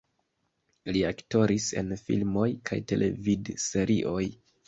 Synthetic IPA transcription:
liakto̞ɾise̞̰nfḭlmo̞jkʰa̰jte̞̰lʔe̞̰vidse̞ɾʔiʔo̞j

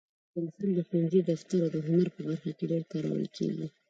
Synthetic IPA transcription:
pɪnsuld̪əxwanzid̪aft̪aɾawd̪əɦʊnaɾpəbaɾxakeɖeɾt̪aɾa̰ə̰lkʰḛɡḭ

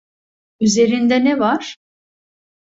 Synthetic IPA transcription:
yze̞ɾind̪ɛnɛvaɾ̥

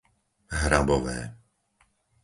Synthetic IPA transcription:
ɦɾabɔʋɛ̰ː

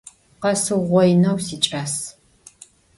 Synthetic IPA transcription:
qɐsɨʁʷɔjnɐwsiːt͡ʃʼaːs

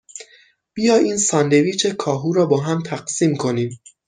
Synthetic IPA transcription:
b̥ijɒːiːnsɒːnd̪eviːt͡ʃʰe̞kʰɒːɦuːɾɒːbɒːɦæmt̪ʰæɢsiːmkʰo̞niːm

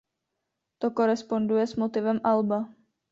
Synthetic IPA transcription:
t̪o̞ko̞ɾɛspo̞ndujɛsmo̞t̪ɪvɛmʔalba

